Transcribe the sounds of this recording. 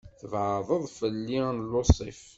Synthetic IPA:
θəvʕəðˤəðˤfəlːinlːosˤḭf

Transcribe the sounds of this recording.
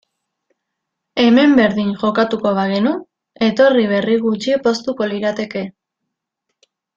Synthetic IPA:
e̞me̞mbe̞ɾðiŋʝo̞kat̪uko̞β̞aɣenu | e̞t̪o̞riβ̞e̞riɣut͡ʃiepo̞st̪uko̞liɾat̪e̞ke̞

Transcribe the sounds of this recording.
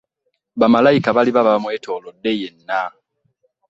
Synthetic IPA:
βamalajikaβaliβaβamwe̞ːtʰo̞ːlodːe̞jenːa

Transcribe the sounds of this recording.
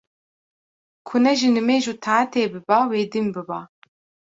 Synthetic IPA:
kʰʊnɛʒinɨmeːʒut̪ʰaːt̪ʰeːbɨbaːweːd̪ɨmbɨbaː

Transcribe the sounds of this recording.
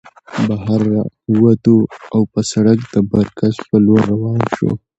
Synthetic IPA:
baɦaɾːa̰wat̪uawpəsaɽak̚d̪̥əbaɾkaspəloɾːawɑnʃo̰

